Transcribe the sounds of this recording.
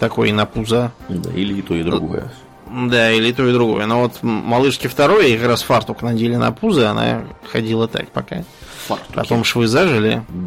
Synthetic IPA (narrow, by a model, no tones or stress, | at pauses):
t̪ɐko̞jɪnɐpuzəd̪a̰ilʲɪt̪o̞ɪd̪ɾʊɡojə̰ | d̪ailʲɪt̪o̞ɪd̪ɾʊɡo̞jənovo̞t̪mɐlˠɨʂkʲɪft̪ɐɾo̞jəikɾasfart̪ʊknɐdʲelʲɪnɐ̰puzəɐna̰xɐdʲilˠət̪a̰k̚pɐka̰fpɐ̰t̪omʂvɨzaʐɨlʲɪ̰